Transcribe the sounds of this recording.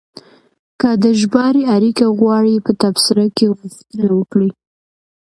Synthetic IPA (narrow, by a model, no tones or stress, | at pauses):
kəd̪əʒbɑɾiaɾikaɣwɑɽipət̪absɪɾakeɣuxt̪ənawəkɽi